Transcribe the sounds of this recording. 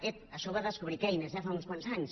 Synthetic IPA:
et̪̚aʃɔβaðəskuβɾikɛjnezʝafaunskwansaɲs

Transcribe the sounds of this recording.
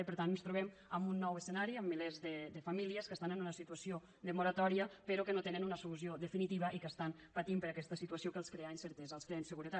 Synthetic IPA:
pəɾt̪annst̪ɾuβɛm | əmbunːɔwəsənaɾiəmːilezðəd̪əfamiliəskəst̪anənunəsit̪uəsio | d̪əmuɾət̪ɔɾiəpeɾokənot̪enənunəsulusioðəfinit̪iβəʔikəst̪an | pət̪impəɾakɛst̪əsit̪uəsiokəlˠskɾeansəɾt̪ɛzəlˠskɾeansəɣuɾət̪a

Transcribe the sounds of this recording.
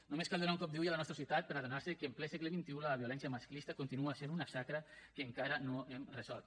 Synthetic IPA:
numeskalˠd̪onauŋkɔp̚d̪iujalanɔst̪ɾasiuwt̪at̪̚pəɾaðonaɾsəkəːmplɛsɛɣleβint̪iulaβjolɛnsjamasklist̪akont̪inuasenunasakɾakeŋkaɾanoemrezɔlt̪

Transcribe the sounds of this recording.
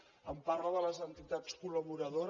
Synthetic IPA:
əmparləðələzənt̪it̪at͡skuləβuɾəðoɾ

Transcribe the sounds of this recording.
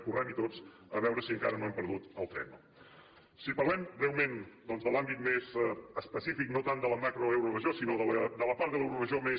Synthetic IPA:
kuramit̪ot͡s | əβɛwɾəsiəŋka̰ɾənoɛmpəɾðut̪əlˠt̪ɛ̰mə | sipəɾlɛmrelˠmend̪ɔnzðəlambit̪mezəspəsifiknot̪and̪ələmakɾoɛwɾurəʒosinoðələd̪ələpaɾt̪ðəlɛwɾurəʒome

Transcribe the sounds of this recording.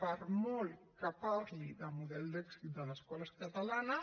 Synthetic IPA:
paɾmɔlkapaɾliðəmuðɛld̪ɛksit̪̚d̪ələskɔləskat̪alana

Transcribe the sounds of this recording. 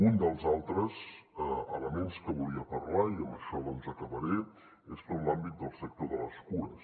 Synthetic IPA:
und̪əlˠzalˠt̪ɾəzəələmenskəβuliəpərlaiəmbəʃɔənzəkəβəɾe | espolambit̪̚d̪əlˠsɛk̚t̪oðələskuɾəs

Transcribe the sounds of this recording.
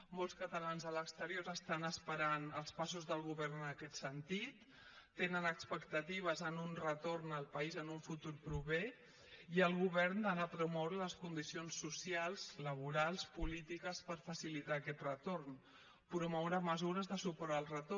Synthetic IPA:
molˠskət̪əlanzðələkst̪əɾioɾəst̪anəspəɾanəlˠspasuzðəlˠɣ̞uβɛrnənəkɛt̪sənt̪it̪ː | enənəkspəkt̪ət̪iβ̞əzənunrət̪ornəlˠpəizənuɱfut̪uɾpɾuβe | iəlˠɣuβɛɾnd̪ənapɾumɔwɾələskund̪isionsːusialˠzləβ̞uɾalˠspulit̪ikəspəɾfəsilit̪aːkɛt̪rət̪orn | pɾumɔwɾəməzuɾəzðəsupɔɾəlˠrət̪o

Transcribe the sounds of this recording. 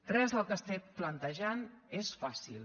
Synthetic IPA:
t̪ɾɛzðəlˠkəst̪ɛplənt̪əʒanesfasilˠ

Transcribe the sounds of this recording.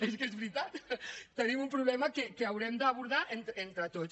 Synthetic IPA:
eskezβɾit̪at̪t̪ənimumpɾuβlɛmɐkekeawɾɛmd̪əːβuɾð̞aʔent̪ent̪ɾət̪ot͡s

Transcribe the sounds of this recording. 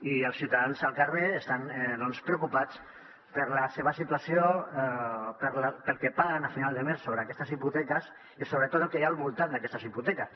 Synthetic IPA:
iəlˠsiwt̪aðanzəlˠkareəst̪anðɔnspɾəwkupat͡s | pəɾləseβəsit̪wasio | pəɾlpəlˠkepaɣənafinalˠd̪əmesːoβɾəːkɛst̪əziput̪ɛkəs | isoβɾət̪ot̪kejalˠβulˠt̪and̪əkɛst̪əsiput̪ɛkəs

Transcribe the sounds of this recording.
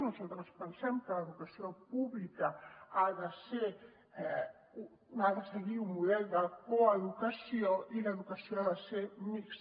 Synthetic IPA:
nusalt̪ɾəspənsɛmkəleðukasiopuβlikaaðase | aðəseɣiumːuðɛld̪akoaðukasioʔileðukasijoaðasemiks

